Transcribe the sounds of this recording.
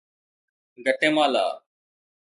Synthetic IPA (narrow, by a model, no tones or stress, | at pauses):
ɡʱəʈẽːmaːla̰ː